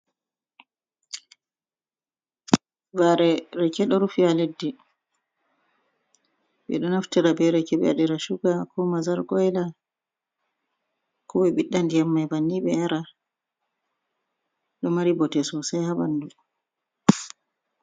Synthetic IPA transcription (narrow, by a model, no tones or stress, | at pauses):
vaɾɛɾɛkɛɗɔɾufialedːi | ɓɛ̰ɗɔnaftiɾabɛɾɛkɛɓɛ̰aɗiɾaʃuɡakʰɔmazalɡɔjla | kʰɔɓɛɓiɗːandijamːajbanːiɓɛaɾa | ɗɔmaɾibɔtɛsɔsajhaɓandu